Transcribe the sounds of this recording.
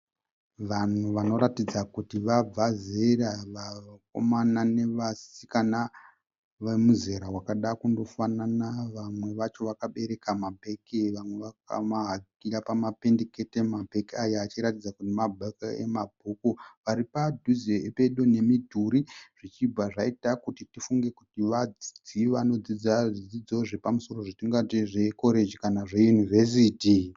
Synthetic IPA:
ʋan̤uʋano̞ɾatid͡zakutiʋab͡vazeraʋako̞̰manane̞ʋasikana | ʋemuze̞ɾaɦwakaɗakundo̞fananaʋamwe̞ʋat͡ʃo̞ʋakaɓe̞ɾe̞kamabʱe̞keʋamwe̞ʋaka̰maɦakiɾapamape̞nde̞ketemabʱe̞kiajaːt͡ʃiɾatid͡zakutimabʱakaḛmabʱukoʋaɾipadʱuzeepe̞ɗone̞midʱuɾiʐ̥it͡ʃibʱaʐaitakutitifuŋɡe̞kutiʋad͡zid͡ziʋano̞d͡zid͡zaʐid͡zid͡zo̞ʐepamuso̞ɾo̞ʐitiŋɡateʐe̞ko̞ɾed͡ʒikanaʐe̞junive̞s̬iːti

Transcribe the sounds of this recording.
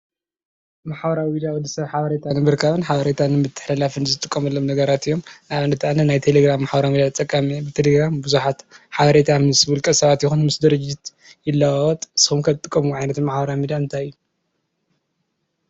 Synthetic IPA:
maħbɐɾawmid̪awɔd̪isɐβħaβɐɾet̪ʰanɨbɨɾkʰaβɨnħaβɐɾet̪ʰanɨmɨt̪ʰːɨ̥ħlɐlafɨnzɨt̪ʼɨkʼːɐmɐlːomnɐɡɐɾat̪ɨjːo̞mnaβɨnɨt̪ʰaʔanɐnajt̪ʰeleɡɾamːaħbɐɾamid̪at͡sʼɐkʼːamebɨt̪ʰeleɡɾambɨzuħat̪ħaβɐɾet̪ʰamɨsbulkʼɐsɐβat̪jɪxunmɨsd̪ɨɾɨd͡ʒit̪ | jɪlːawawɔt̪ʼsɨxumkʰɐt̪ʼɨkʼːɐmuʕajnɐt̪maħbɐɾamid̪aɨnt̪ʰajɨjːu

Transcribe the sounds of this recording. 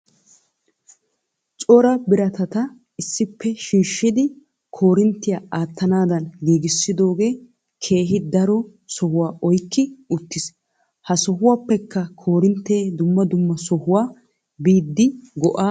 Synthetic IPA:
t͡sʼɔɾɐbɪɾɐt̪ɐt̪ɐ | ɪsːɪpːɛʃiːʃːɪd̪ɪ | kʰo̞ːɾɪnt̪ːɪjaːaːt̪ːɐnaːd̪ɐnɡiːɡɪsːɪd̪o̞ːɡe̞ː | kʰe̞ːɦɪd̪ɐɾɔ | sɔhʊwaːɔjkːɪʊt̪ːɪs | hɐsɔɦʊwaːpːɛkːɐkʰo̞ːɾɪnt̪ːeːd̪ʊmːɐd̪ʊmːɐsɔhʊwaː | biːd̪ːɪɡɔʔaː

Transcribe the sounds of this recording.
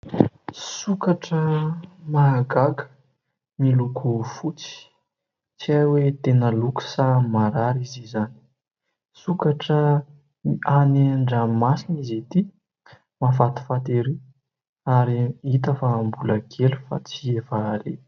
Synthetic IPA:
sukaʈ͡ʂəmaɡaɡə̥ | milukʰufut͡si̥ | t͡siajwet̪enəluku̥samaɾaɾizizani̥ | sukaʈ͡ʂə | aneɳɖ͡ʐəmasinizet̪i | mafat̪i̥fat̪eɾi | aɾiit̪afaːmbuləɡelufa̰t͡sievaɾe

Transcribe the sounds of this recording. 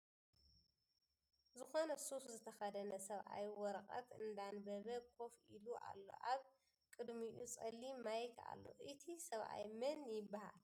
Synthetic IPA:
zɨxo̞nɐsuszɨt̪ʰɐxɐd̪ɐnɐsɐβʔa̰jwɔɾɐkʼɐ̰t̪ɨnd̪anbɐβɐkʰo̞filuʔa̰lːo̞̰ʔaβ | kʼɨd̪miʔut͡sʼɐlːimajkʰa̰lːo̞̰ʔɨt̪ʰisɐβʔa̰jmɐnjɪbːaha̰l

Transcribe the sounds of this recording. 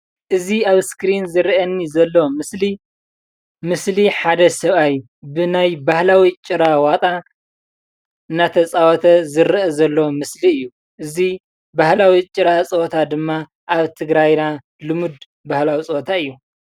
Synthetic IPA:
ʔɨziaβskɾinzɨɾʔɐnːizɐlːomɨsli | mɨsliħad̪ɐsɐβaj | bɨnajbahlawit͡ʃʼɨɾawat̪ʼa | ɨnːat̪ʰɐt͡sʼawɔt̪ʰɐzɨɾʔɐzɐlːɐwomɨsliɨjːu | ʔɨzi | bahlawit͡ʃʼɨɾat͡sʼɨwɔt̪ʰad̪ɨmːa | ʔaβt̪ʰɨɡɾajna | lɨmud̪ | bahlawit͡sʼɨwɔt̪ʰaɨjːu

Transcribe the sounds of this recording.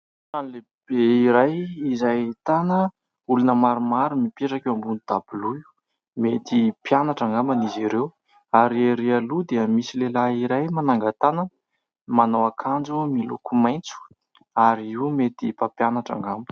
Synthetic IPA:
anle | b̥eiɾajizajt̪anə | ulunəmaɾumaɾumipeʈ͡ʂakewambunid̪̥ab̥uluu̥ | met̪ipjanaʈ͡ʂaŋɡamaniziɾew | aɾeɾialud̪eəmisilelaiɾajmanaŋɡat̪anə | manowakʰand͡zumilṵkumajnt͡su̥ | aɾiiumet̪ipapjanaʈ͡ʂa̰ŋɡami̥

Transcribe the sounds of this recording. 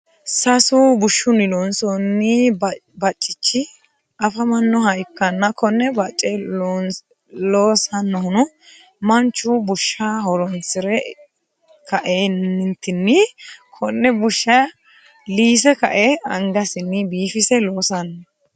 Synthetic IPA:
sɐsʊbʊʃːʊnɪlɔnsɔnːɪbɐt͡ʃʼːɪt͡ʃːɪ | ɐfɐmɐnːɔɦɐjkːɐnːɐkʰɔnːɛbɐt͡ʃʼːɛn | loːsɐnːɔhʊnʊ | mɐnt͡ʃːʊbʊʃːaːhɔɾɔnsɪɾɛ | kɐʔeːnɪnt̪ɪnːɪkʰɔnːɛbʊʃːɐ | liːs̬ɛkɐ̰ʔɛɐŋɡɐsɪnːɪbiːfɪsɛloːsɐnːɔ

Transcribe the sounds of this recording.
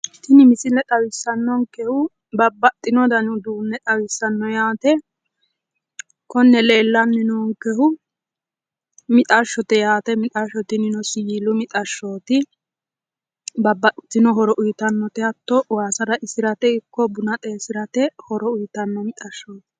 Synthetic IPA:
t̪ɪnɪmɪsɪlːɛt̪ʼɐwɪsːɐnːɔŋkɛhʊ | bɐbːɐt̪ʼːɪnɔd̪ɐnʊd̪uːnːɛt̪ʼɐwɪsːɐnːɔjaːt̪ɛ | kɔnːɛle̞ːlːɐnːɪnɔŋkɛhʊ | mɪt̪ʼɐʃːɔt̪ɛjaːt̪ɛmɪt̪ʼaʃːɔt̪ɪnɪnɔsɪjilʊmɪt̪ʼɐʃːoːt̪ɪ | bɐbːɐt̪ːɪnɔɦɔɾɔʔʊjt̪ɐnːɔt̪ɛɐt̪ːɔwaːsɐd̪ɐʔɪsɪɾɐt̪ɛɪkːɔbʊnɐt̪ʼe̞ːsɪɾɐt̪ɛhɔɾɔʊjt̪ɐnːɔmɪt̪ʼɐʃːoːt̪ɪ̥

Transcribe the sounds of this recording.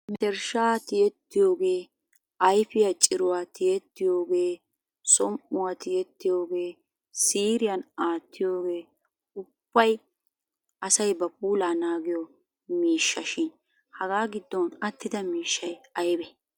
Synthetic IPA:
mɛt̪ɛɾʃaːt̪ɪjɛt̪ːɪjoːɡe̞ː | ɐjfɪjɐt͡ʃʼɪɾʊwaːt̪ɪjɛt̪ːɪjoːɡeː | sɔmʔʊwaːt̪ɪjɛt̪ːɪjo̞ːɡeː | siːɾɪjɐnaːt̪ʰːɪjoːɡeː | ʊb̥ːɐj | ɐsɐjbɐpuːlaːnaːɡɪjɔ | miːʃːɐʃɪn | hɐɡaːɡɪd̪ːɔnɐt̪ːɪd̪ɐmiːʃːɐjɐjbɛ

